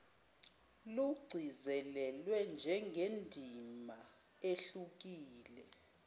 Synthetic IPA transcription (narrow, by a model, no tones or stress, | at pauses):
luɡ͡ǀʱizɛlɛlwɛnd͡ʒʱɛŋɡʱendʱima | eɬuk̬iːlɛ